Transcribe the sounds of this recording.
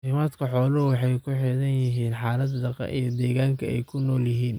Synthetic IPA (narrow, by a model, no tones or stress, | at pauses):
ɪmaːd̪kʰɐħɔːlʊwɑħɑjkʰʊħɪðɐnjɪɦiːnħɑːlɐd̪d̪ɐqɐ̰ʔijɞd̪ɛːɣaːŋkʰɐɛ̰jkʰʊnɔːljɪɦiːn